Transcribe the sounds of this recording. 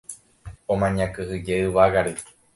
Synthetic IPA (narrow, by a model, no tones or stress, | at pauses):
õmãɲãkɨhɨd͡ʒeɨʋaɣaɾɨ